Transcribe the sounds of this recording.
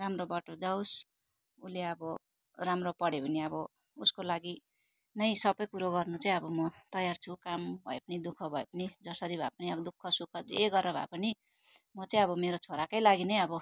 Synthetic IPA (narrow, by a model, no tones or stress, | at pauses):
ramrobʌʈod͡zaws | uleʌbʌ | ramropʌɽebʱuniʌbʌ | uskolaɡi | nʌj̃sʌbʌjkuɾoɡʌrnut͡saĩj̃ʌbʌmʌt̪ʌjart͡sʰukambʱʌ̰epʌnid̪ukʰʌbʱʌepʌnid͡zʌsʌɾibʱa̰pʌniʌbʌd̪ukʰːʌsukʰʌteɡʌrʌbʱa̰pʌni | mʌt͡sʌĩʌbʌmeɾot͡sʰoɾakʌjlaɡinʌjʌbʌ